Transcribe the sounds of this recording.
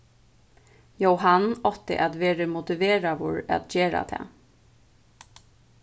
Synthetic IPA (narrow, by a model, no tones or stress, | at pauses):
jowɦanːɔt̪ɪ̰ʔat̪veːɾɪmʊt̪ɪveːɾavɔɾa̰t̪d͡ʒeːɾa̰d̪ʰɛ̰